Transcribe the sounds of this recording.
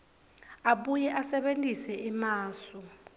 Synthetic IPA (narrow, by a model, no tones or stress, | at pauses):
aɓujɛʔasɛɓentʼisɛimaːsɔ